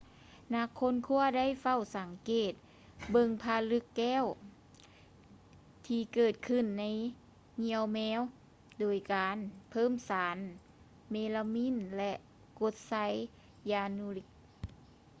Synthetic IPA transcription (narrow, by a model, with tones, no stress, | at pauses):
na˧˥kʰːo˧˥˨nkʰu˧˥˨ɐda˥˨jfa˧˩˨wsa˨˦ŋkeː˨˩t̪̚ | bɤ˧˨ŋpʰaː˧lɯ˧˥kːɛː˧˥˨w | t̪ʰiː˧kɤː˨˩t̪̚kʰɯ˧˩nːa˧˥j | ŋi˧˥əwmɛː˧˥˨w | doː˨˩jkaː˨˦npʰɤː˧˥˨msaː˨˦n | meː˧la˧mi˧˥˨nlɛ˧ʔ | ko˧˦t̪̚sa˧˥j | jaː˧nu˧li˧k̚